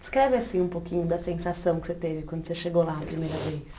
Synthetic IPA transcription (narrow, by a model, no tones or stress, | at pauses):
d͡ʒɪ̥skɾɛvɪasĩũpokĩɲʊd̪ɐsẽsasɐ̃w̃kɪ̥set̪evɪkwɐ̃d̪ʊseʃeɡolaɐpɾimejɾɐvejs